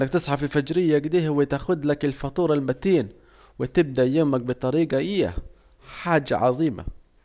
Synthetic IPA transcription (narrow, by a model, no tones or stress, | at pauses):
ʔnːakt̪ɨsˤħɑfɪlfad͡ʒɾɪjːaɡd̪iːhwɪt̪axʊd̪lakɪlfɑt̪ˤuːɾˤɑlmat̪iːn | wɪt̪ɪb̚d̪aʔjʊmak̚bɨt̪ˤɑɾiːɡɑʔɪjːa̰ | ħaːd͡ʒa̰ʕɑ̰ðˤiːma̰